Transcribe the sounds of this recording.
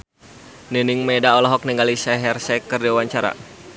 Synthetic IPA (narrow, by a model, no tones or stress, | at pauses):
ninɪŋmɛdaɔlɔɦɔk̚niŋɡalisɛɦɛrsɛkərdiwaɲt͡ʃaɾa̰